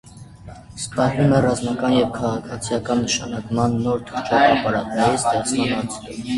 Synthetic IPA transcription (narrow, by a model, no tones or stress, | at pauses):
spɑɾumɛrɑzmɑkɑnjɛvkʰɑʁɑkʰɑt͡sʰijɑkɑnːəʃɑnɑkmɑnːɔɾt̪ʰut͡ʃʰɔvɑpɑɾɑt̪nɑjɛst̪ɛʁt͡sʰmɑnɑnt͡s̪ʰu